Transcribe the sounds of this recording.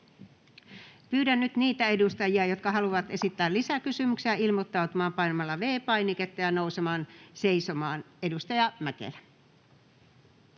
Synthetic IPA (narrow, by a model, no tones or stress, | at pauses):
pyːdænːyt̪niːt̪æedust̪ɑjiɑjot̪kɑhɑluʋɑt̪esit̪ːæːlisækysymykseæilmot̪ːɑut̪umɑːmpɑinomɑlːɑʋeːpɑiniket̪ːɑjɑnousemɑːnseisomɑːn | edust̪ɑjɑmækḛlæ